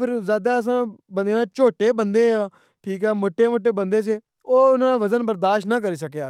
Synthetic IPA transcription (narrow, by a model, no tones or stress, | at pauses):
pʰɪɾzaːd̪aːəs̬ãːbənd̪eːaːt͡ʃoːʈeːbənd̪eːãː | ʈʰiːkɦɛːmoːʈːeːmoːʈːeːbənd̪eːt͡ʃe | oːʊnãːaːʋəzənbəɾd̪aːʃʈnãːkəɾiːsəkjaː